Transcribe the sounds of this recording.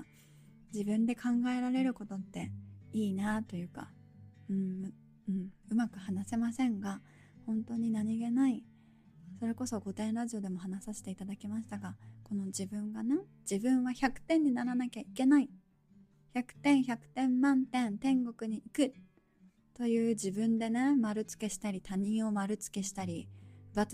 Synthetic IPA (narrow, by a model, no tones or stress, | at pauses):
d͡ʑibɯ̟̃nd̪e̞kʰãŋɡae̞ɾaɾe̞ɾɯ̟ko̞t̪o̞t̪ːe̞iːnat̪o̞jɯ̟ːka̰ | ɯ̟̃ɴ | ɯ̟̃ɴɯ̟makɯ̟hanase̞masẽ̞ŋɡa | hõ̞nt̪o̞ɲ̟inaɲ̟iɡe̞nai | so̞ɾe̞ko̞so̞ɡo̞t̪ẽ̞nɾaʑio̞d̪e̞mo̞ɦanasaɕi̥t̪e̞it̪ad̪akʲimaɕi̥t̪aɡako̞no̞d͡ʑibɯ̟̃ŋɡane | d͡ʑibɯ̟̃ɰ̃βaçakɯ̟̥t̪ẽ̞ɲ̟ːinaɾanakʲaike̞nai | çakɯ̟̥t̪ẽ̞ɰ̃çakɯ̟̥t̪ẽ̞mːãnt̪ẽ̞nt̪ẽ̞ŋɡo̞kɯ̟ɲ̟iikɯ̟ | t̪o̞jɯ̟ːd͡ʑibɯ̟̃nd̪e̞ne̞maɾɯ̟t͡sɨ̥ke̞ɕi̥t̪aɾʲit̪aɲ̟ĩɰ̃o̞maɾɯ̟t͡sɨ̥ke̞ɕi̥t̪aɾʲiba